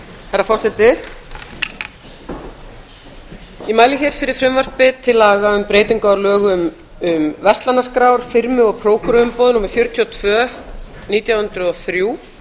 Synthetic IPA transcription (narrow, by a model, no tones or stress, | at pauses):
hɛɾafɔrsɛt̪ɪ | imaːjlɪçɛɾ̥fɪɾɪɾ̥fɾɪmvœr̥pɪt̪ʰɪlːaːɣaʏmpɾeːjt̪iŋkaaɾlœːɣʏm | ʏmvɛst̪lanːaskɾaːwɾ̥fɪɾmɪɔɣpʰɾoːwkʏɾʏʏmpɔːðʏnumʏɾfjœɾ̥t̪ʰjiɔt̪ʰvœː | niːt̪jawhʏnt̪ɾʏɔθɾjuː